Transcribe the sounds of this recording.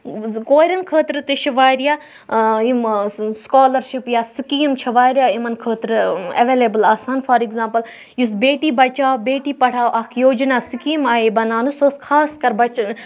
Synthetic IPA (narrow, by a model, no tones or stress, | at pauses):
koːɾɐnkʰəːt̪ɾɨt̪ɨt͡ʃʰɐʋaːjɾijaː | imskaːlɐɾʃipjaːsikiːmt͡ʃʰɐʋaːjɾʲjaːimɐnkʰəːt̪ɾɨɐʋeːleːbəlaːsaːnfaːɾikzãːmpɐl | jus̬beːʈiːbɐt͡ʃaːwbeːʈiːpɐɽʰaːwʔɐkʰjoːd͡ʒnaːsikiːmaːebɐnaːnusoskʰaːskɐɾbɐt͡ʃn